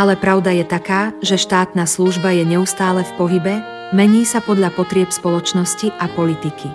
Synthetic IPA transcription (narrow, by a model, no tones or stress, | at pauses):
alɛpɾaʊd̪ajɛt̪akaːʒɛʃt̪aːt̪naːsluʒbajɛɲɛust̪aːlɛfpɔɦibɛ | mɛɲiːsapɔd̪ʎapɔt̪ɾɪɛpspɔlɔt͡ʃnɔsciʔapɔlit̪ikʰi